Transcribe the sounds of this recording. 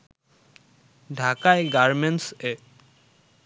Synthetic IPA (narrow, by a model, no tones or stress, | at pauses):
ɖʱakajɡaɹmense